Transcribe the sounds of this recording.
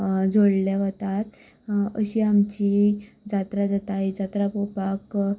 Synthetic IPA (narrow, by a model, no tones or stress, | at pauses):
d͡zʱoɽleʋət̪at̪ | ə̰ɕiːamt͡ɕi | d͡zat̪ɾad͡zat̪aid͡zat̪ɾapopak